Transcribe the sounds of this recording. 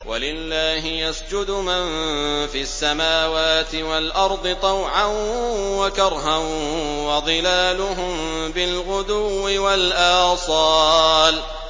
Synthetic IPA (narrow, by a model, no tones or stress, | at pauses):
wʔa̰lɪlːaːɦɪjasd͡ʒʊd̪ʊmanfiasːamaːwaːt̪ɪwalʔɑɾˤd̪ˤɨt̪ˤɑwʕanwakɑɾˤɦanwɑd̪ˤɨlaːlʊɦʊmbɪlɣʊd̪ʊwːɪwalʔaɑːsˤɑːl